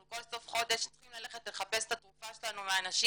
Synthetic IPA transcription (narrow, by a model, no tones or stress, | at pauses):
ko̞lso̞fχo̞d̪e̞ʃt͡sχimlaleχet̪leχapest̪at̪ʁufaʃelanumeanaʃi